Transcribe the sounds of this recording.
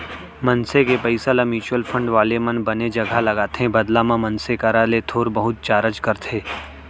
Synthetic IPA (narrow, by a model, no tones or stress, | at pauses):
mɐnsekepəɪsalamiːt͡ʃʊəlpʰə̃ɳɖʋaːlemɐnbɐned͡ʒɐɡʱalɐɡaːt̪eɦɛ̃bɐd̪lãmãmɐ̃nsekaɾalet̪ʰoːɾbɐɦʊt̪̚t͡ʃaːɾət͡ʃkɐɾt̪ʰeː